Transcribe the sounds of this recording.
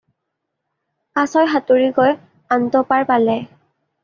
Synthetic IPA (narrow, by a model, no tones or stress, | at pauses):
kasɔjɦatuɹiɡɔj | antɔpaɹpalɛ